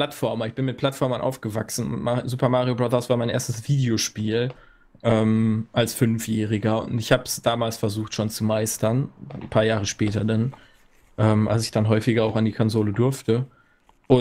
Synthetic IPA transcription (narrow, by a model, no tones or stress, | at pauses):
platfɔɐmɐɪçb̥ɪnmɪt̚pʰl̥atfɔɐmənʔa̰ʊfɡ̥əvaksn̩mazuːpɐmaːʁijobʁaðɐsv̥aːɐmaɪnʔeːɐstəsv̥iːdeoʃpiːl | ʔɛːmʔalsfʏnfjɛːʁɪɡɐʊ̰ntɪçhaːbəsd̥aːmaːlsfɛɐzuːχtʃoːnt͡sumaɪstɐnnpʰaːɐjaːʁəʃpɛːtɐdan | ʔɛːmʔa̰lsɪçd̥anɦɔʏfɪɡɐaʊxandiːkʰɔnzoːlədʊɐftə | ʔʊ